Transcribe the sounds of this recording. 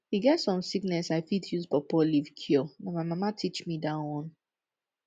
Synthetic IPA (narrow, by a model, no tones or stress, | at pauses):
hiɡɛtsɔ̃msiknɛsaɪfitʰjuzpɔpɔlivkʰɔnɔmaɪmamatʰit͡ʃmidawɔ̃n